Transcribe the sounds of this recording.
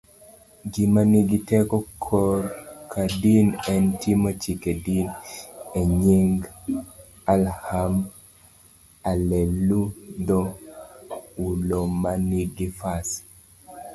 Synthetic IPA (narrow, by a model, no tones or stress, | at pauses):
ɡimaniɡitɛkɔkʰɔrkʰadinɛntimot͡ʃikedineɲiŋɡ | alham | alelud̪ɔ | ulomaniɡifas